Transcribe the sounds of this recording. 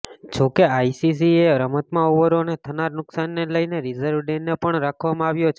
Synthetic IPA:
d͡ʒokeaisis̬ieɾəmət̪mãuʋəɾonet̪ʰənaɾnʊksanːeləjneɾizəɾʋɖenːepəɳɾakʰʋamãaʋjot͡ʃʰ

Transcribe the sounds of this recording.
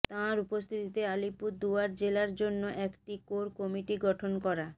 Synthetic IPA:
t̪ãɾupost̪ʰit̪it̪ealipuɾd̪uaɾd͡ʑelaɾd͡ʑonːoʔɛkʈikoɾkɔmiʈiɡɔʈʰonkɔɾa

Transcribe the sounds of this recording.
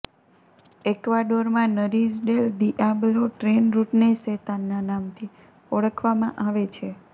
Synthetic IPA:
ekʋaɖoɾmãnəɾisɖelɖiʔabloʈɾenɾuʈneset̪anːanamt̪ʰi | ɔɭəkʰʋamã̰ʔaʋet͡ʃʰe

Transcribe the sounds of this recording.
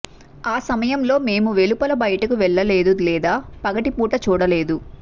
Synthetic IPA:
aːsɐmɐjɐmlo̞ːme̞ːmuʋe̞lupɐlɐbɐjɐʈɐkuʋɛɭːɐle̞ːd̪ulɛːd̪aːpɐɡɐʈipuːʈɐt͡ʃuːɽɐle̞ːd̪u

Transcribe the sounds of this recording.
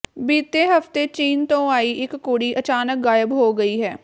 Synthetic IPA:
biːt̪eɦɐft̪et͡ʃiːnt̪õaːiʔɪkːuːɽiʔɐt͡ʃaːnək̚ɡaːjəbɦoːɡɐiɦɛː

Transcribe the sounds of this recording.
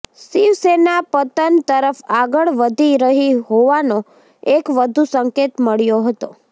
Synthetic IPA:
siʋsenapət̪ənt̪əɾəfaɡəɭʋəd̪ʱiɾəɦiɦoʋano | ekʋəd̪ʱusəŋket̪məɭjoɦət̪o̰

